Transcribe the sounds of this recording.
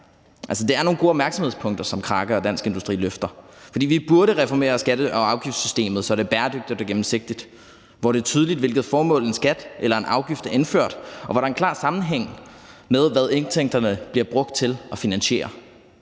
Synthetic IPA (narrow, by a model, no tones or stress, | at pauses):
ʔælsəd̥e̝æɐno̝ːn̩ɡo̝ːɒb̥̚mæɐ̥sɒmhð̰ˠspʰɔ̽ŋ̰d̥ɐsɒ̽mkʰʁɑ̈ːɡ̥əɒ̽d̥æn̰sɡ̥e̝nd̥usd̥ʁḭːløfd̥ɐfɒ̽dḭːʋib̥uɐɾəʁɛfɒme̝̰ːɐsɡ̥ædəʔɒ̽ɑ̈ʊɡ̥ifd̥sysd̥e̝̰ːmð̩ˠsɒd̥ɾeb̥æːɐd̥øɡ̥d̥id̥ɒɡ̥emm̩se̝ɡ̥̚d̥id̥ | ʋɒɾ̥e̝ɐt͡sʰyːð̞ˠlid̥ʋe̝lɡ̥ð̩ˠfɒːmɔ̰̽ːlensɡ̥æd̥ʔelɐe̝nʔɑ̈ʊɡ̥ifd̥æɐe̝nføɐ̰d̥ʔɒ̽ʋɑɾɑ̈enkʰlɑ̰̈ːsɑ̈mn̩ɦeŋ̰með̞ˠʋæð̞ˠeŋt͡sʰeŋ̰d̥ɐnəb̥liɐb̥ʁɔ̽ɡ̥̚d̥̚t͡sʰe̝lʔɒ̽finænɕe̝̰ːɐ